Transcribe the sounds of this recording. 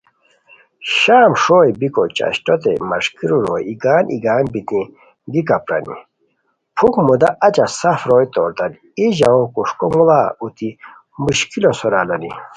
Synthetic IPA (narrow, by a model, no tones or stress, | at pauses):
ɕaːmʂoːjbikot͡ɕa̰ɕʈot̪ḛmɐʂkiɾuɾoːjiɡaːnʔiɡaːnbit̪ĩ | d̪ikapɾɐ̰nḭ | pʰukmud̪aʔat͡ɕasafɾoːjt̪oːɾt̪an | iʑaokuʂkomulaut̪i | muɕkilosoɾalɐnḭ